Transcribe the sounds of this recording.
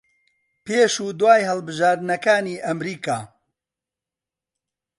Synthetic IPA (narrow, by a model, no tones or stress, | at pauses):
peːʃuːd̪waːjɦɐlˠbɨʒaːɾd̪nɐkaːniːʔɐmɾiːkaː